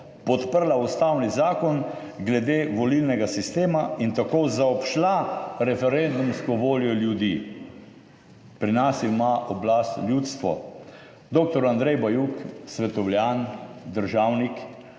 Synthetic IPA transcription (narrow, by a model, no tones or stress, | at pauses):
pɔt̪pəɾlaust̪awnizaːkɔn | ɡlɛd̪eːʋɔlilnɛɡasist̪eːmaint̪akozaɔpʃlaɾɛfɛɾɛnd̪umskɔʋoːljɔljud̪i | pɾinasimaʔɔblast̪ljut̪st̪ʋɔ̰ | d̪ok̚t̪ɔɾand̪ɾɛjbajuksʋɛt̪ɔwljand̪əɾʒaːwnik